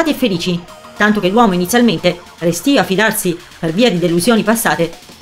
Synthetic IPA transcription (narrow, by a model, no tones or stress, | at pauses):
aːt̪iefːeliːt͡ʃi | t̪ant̪okelːwɔːmoinit̪sjalment̪e | rest̪iːvafːid̪arsi | perviːad̪id̪eluzjoːnipasːaːt̪e